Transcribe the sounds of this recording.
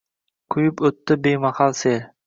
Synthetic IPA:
qʰʊjɪpɵt̪ːɪbejmaχalˠseɾ

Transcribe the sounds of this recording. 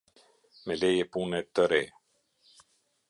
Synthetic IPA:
mɛlɛjɛpunɛt̪əɾɛ

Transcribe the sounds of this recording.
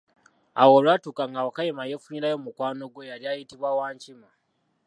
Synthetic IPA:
a̰wo̞lwatukaŋɡawakajemajefuɲiɾajo̞mukwaːno̞ɡwe̞jaɾjajitiβwawaːɲcima

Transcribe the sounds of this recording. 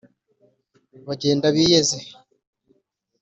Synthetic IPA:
βaɟe̞ːndaβiːjeze

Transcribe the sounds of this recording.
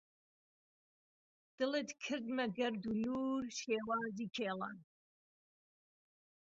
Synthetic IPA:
d̪̥ɨlet̪kʰɨɾd̪mɐɡɐɾd̪uluːɾʃeːwaːziːkʰeːla̰n

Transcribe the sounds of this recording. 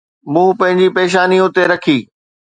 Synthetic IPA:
mũːpɐ̃ɦɪ̃ɲd͡ʑipeːʃ̬aːniʊt̪eɾɐkʰiː

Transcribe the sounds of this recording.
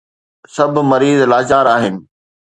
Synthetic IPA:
sɐbʱmɐɾiːzlaːd͡ʑaːɾaːɦɪnɪ̆

